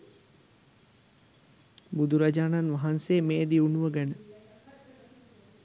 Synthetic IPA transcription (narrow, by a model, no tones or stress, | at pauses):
bud̪uɾad͡ʒaːnanʋaɦanseːmeːd̪iunuʋəɡænə